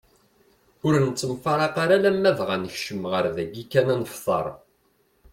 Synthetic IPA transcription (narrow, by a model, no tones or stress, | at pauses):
ʊɾnət͡sːəmfɑɾˤɑqaɾalæmːævʁanəçʃəmʁəɾðæɡikːænænəfθˤɑ̰ɾˤ